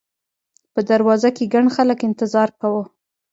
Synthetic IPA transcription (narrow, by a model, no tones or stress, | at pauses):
pəd̪aɾwɑzakeɡaɳxaləkɪnt̪ɪzɑɾkawə